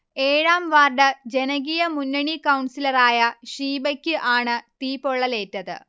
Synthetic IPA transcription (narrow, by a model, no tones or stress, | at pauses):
e̞ːɻaːmʋaːrɖɐd͡ʑe̞nɐɡijɐmunːɐɳikɐwɳsilɐraːjɐʂiːbɐkʲːɨʔaːɳɨt̪iːpːoɭːɐle̞ːtːɐðɨ̰